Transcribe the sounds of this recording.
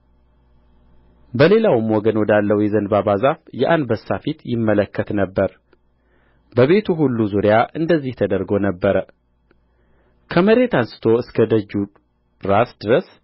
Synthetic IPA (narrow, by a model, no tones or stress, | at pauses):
bəle̞lawɨmwɔɡənwɔd̪alːəwjɛzənbabazafjɛʔanbəsːafit̪jɪmːələkːət̪nəbːəɾ | bəβe̞t̪ʰuɦulːuzuɾɪjaʔɨnd̪əzːiht̪ʰəd̪əɾɡo̞nəbːəɾə | kʰəməɾe̞t̪ansɨ̥t̪ʰoɨskʰəd̪əd͡ʒːu | ɾasd̪ɨɾəs